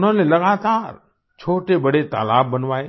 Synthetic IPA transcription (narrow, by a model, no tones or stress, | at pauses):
nəlelɐɡaːt̪aːɾ | t͡ʃʰoːʈebɐɽet̪a̰ːlaːbːɐnʋaːeː